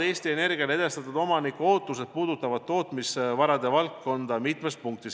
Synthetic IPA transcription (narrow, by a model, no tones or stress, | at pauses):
e̞ːst̪ie̞ne̞rɡ̥iɑle̞d̪est̪ɑt̪ud̪̥o̞mɑnikuo̞ːt̪ːˑuse̞d̪̥̚puːd̪ut̪ːˑɑvɑd̪̥̚t̪ːo̞ːt̪misvɑɾɑd̪e̞vɑlkːo̞nd̪ɑmit̪me̞spuŋk̚t̪is